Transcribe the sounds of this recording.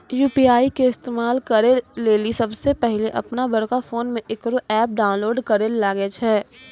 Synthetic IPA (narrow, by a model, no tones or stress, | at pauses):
juːpiaːikeɪst̪eːmaːlkɐɾeleːlisɐbsepɛɦleʔɐ̰pnabɐɽkafoːnmẽʔɪkɾoʔɛːp̚ɖaːʊ̃nloːɖkɐɾelaːɡet͡ʃʰɛː